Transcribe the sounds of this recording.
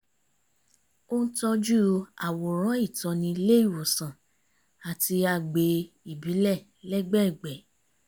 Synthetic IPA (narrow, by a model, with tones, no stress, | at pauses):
o˦n̩˦tɔ˧d͡ʒu˦a˨wo˨ɾ̃ã˨˦i˦˨tɔ˧nĩ˧˦le˦i˦˨wo˨sã˨ | a˨ti˧a˧˨ɡ͡be˧ | i˨bi˨˦lɛ˦˨ | lɛ˦ɡ͡bɛ˦˨ɡ͡bɛ˨